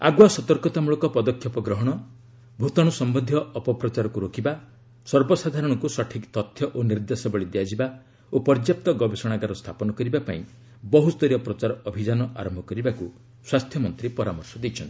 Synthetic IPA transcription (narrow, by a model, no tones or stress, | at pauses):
a̰ɡwasɔt̪ɔɾkɔt̪amuɭɔkɔpɔd̪ɔkʰːjɔpɔɡɾɔɦɔɽ̃ɔ | bʱut̪ɔɽ̃usɔmbɔnd̪ʱjɔːpɔpɾɔt͡ʃaɾɔkuɾokiba | sɔɾbɔsad̪ʱaɾɔɽ̃ɔkusɔʈʰikt̪ɔt̪ʰjɔʔoniɾd̪esɔbɔɭid̪ejad͡ʒiba | opɔɾd͡ʒjap̚t̪ɔɡɔbesɔɽ̃aɡaɾɔst̪ʰapɔnɔkɔɾibapa̰ĩ | bɔɦust̪ɔɾiɔpɾɔt͡ʃaɾɔɔbʱid͡ʒanɔʔa̰ɾɔmbʱɔkɔɾibaku | swast̪ʰjɔmɔnt̪ɾipɔɾamɔɾsɔd̪ejt͡ʃʰɔnt̪i̥